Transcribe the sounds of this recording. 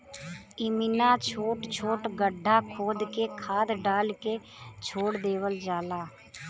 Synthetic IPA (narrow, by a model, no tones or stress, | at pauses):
ɪmɪnãːt͡ʃʰoːʈt͡ʃʰoːʈɡəɖʱːaːkʰoːd̪keːkʰaːd̪ɖaːlkeːt͡ʃʰoːɽd̪eːʋəld͡ʒaːlaː